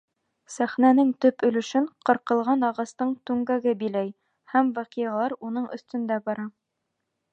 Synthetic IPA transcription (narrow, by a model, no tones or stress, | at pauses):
sæχnænɘŋt̪ɵpɵ̆lɘ̆ʃɘɴqɤ̆ɾqɤ̆lˠʁɑnɑʁɑst̪ɤɴt̪ʉŋɡæɡɘbilæj | hæmvæqiɑlˠɑɾunɤɴʔɵ̰̆θt̪ɵ̆nd̪æbɑɾɑ